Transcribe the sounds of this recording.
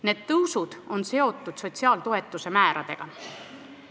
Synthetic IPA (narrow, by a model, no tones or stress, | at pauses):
ne̞ːd̪̥̚t̪ɤwsud̪̥o̞nse̞o̞t̪ːˑud̪̥so̞t̪ʲsiɑːlt̪oɦe̞t̪ːˑuse̞mæːɾɑd̪̥e̞̰ɡ̥ɑ